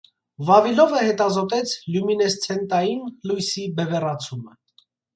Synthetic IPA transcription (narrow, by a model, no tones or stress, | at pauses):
vɑvilɔvəhɛt̪ɑzɔt̪ɛt͡sʰljuminɛst͡sʰɛnt̪ɑjinlujsibɛvɛrɑt͡sʰumə